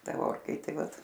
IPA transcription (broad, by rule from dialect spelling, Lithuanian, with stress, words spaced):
ˈtɐ ˈoːrkɐɪtʲeː ˈʋɐt